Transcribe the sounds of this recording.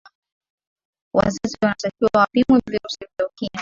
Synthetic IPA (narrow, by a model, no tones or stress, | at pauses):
wa̰zaziwanatakiwawapimwɛviɾusivjaukia